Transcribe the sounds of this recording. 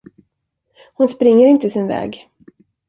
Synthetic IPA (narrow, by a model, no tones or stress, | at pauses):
hʊnspɾɪŋːəɾɪnt̪əsɪnvɛ̰ːɡ